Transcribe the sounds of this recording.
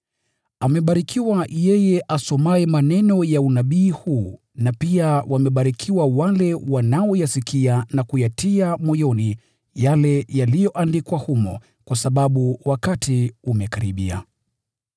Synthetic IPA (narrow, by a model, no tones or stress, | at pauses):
amɛɓaɾikiwajɛjɛʔasɔmaɛmanɛnɔjaunaɓiːhu | napiawʔamɛɓaɾikʰiwawalɛwanaɔjasikianakujatiamɔjɔni | jalɛjalijɔʔandikwahumɔ̰ | kwasaɓaɓuwakatʰiumɛkaɾiɓia̰